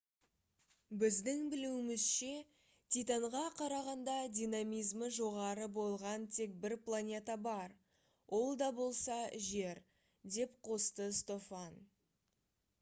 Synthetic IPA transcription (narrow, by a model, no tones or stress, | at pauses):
bɪzd̪ɪŋbɪluwɪmɪzʃe̞ | t̪ʰit̪aɴʁɑqʰɑɾɑʁɑnd̪ɑd̪ʲijnamijzməʒo̞ʁɑɾəbo̞lˠʁɑnt̪ʰe̞k̚bɪɾplˠanʲe̞t̪abɑɾ | wʔo̞lˠd̪ɑbo̞lˠsɑʒe̞ɾ | d̪e̞pqʰo̞st̪əst̪o̞fɑn